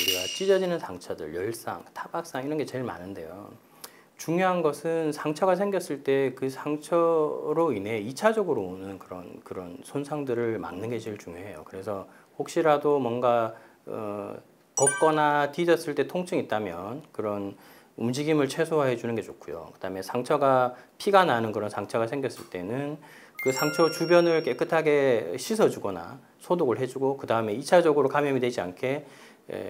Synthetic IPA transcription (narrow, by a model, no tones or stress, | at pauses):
uɾiɡat͡ɕ͈id͡ʑʌd͡ʑinɯnsʰaŋt͡ɕʰadɯ̰ɭjʌɭs͈a̰ŋtʰabak̚s͈aŋiɾʌnɡe̞t͡ɕe̞ɭma̰nɯnde̞̰jo̰ | t͡ɕuŋjoɦanɡʌsʰɯnsʰaŋt͡ɕʰʌɡas̬ʰeŋɡjʌs͈ɯɭt͈e̞kɯsʰaŋt͡ɕʰʌɾoine̞it͡ɕʰad͡ʑʌɡɯɾoonɯnkɯɾʌ̰nkɯɾʌnsʰonsʰaŋdɯɾɯɭma̰ŋnɯnɡe̞d͡ʑiɭt͡ɕuŋjoɦe̞jo̰kɯɾe̞sʰʌ | hok̚ɕ͈iɾadomwʌnɡa | ʌ̰ | kʌk̚k͈ʌnatid͡ʑʌs͈ɯɭt͈e̞tʰoŋt͡ɕʰɯŋit̚t͈amjʌnkɯɾʌn | umd͡ʑiɡimɯɭt͡ɕʰwe̞sʰoɦaɦe̞d͡ʑunɯnɡe̞t͡ɕokʰujo̰kɯd̥aɯme̞sʰaŋt͡ɕʰʌɡapʰiɡananɯnkɯɾʌnsʰaŋt͡ɕʰʌɡasʰe̞ŋɡjʌs͈ɯɭt͈e̞nɯn | kɯsʰaŋt͡ɕʰʌt͡ɕubjʌnɯɭk͈e̞k͈ɯtʰaɡe̞ɕʰisʰʌd͡ʑuɡʌna̰ | sʰodoɡɯɭɦe̞d͡ʑuɡokɯdaɯme̞it͡ɕʰad͡ʑʌɡɯɾokamjʌmidwe̞d͡ʑia̰nkʰe̞ | ḛ